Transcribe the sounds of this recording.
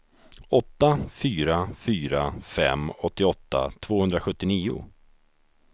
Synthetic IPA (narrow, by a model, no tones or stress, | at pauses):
ɔt̪ːafyːɾafyːɾafɛ̰mːɔt̪ːɪɔt̪ːa̰t̪ʰv̥oːhɵnd̪ɾaɧɵt̪ːɪniːʊ̰